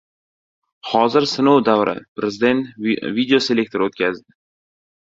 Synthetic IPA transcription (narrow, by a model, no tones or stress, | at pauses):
hɒzɪɾsɪnowd̪awɾʔa̰pʰɾezd̪ent̪vid̪eoselʲek̚ʲt̪ʰoɾot̪kʲʰazd̪ɪ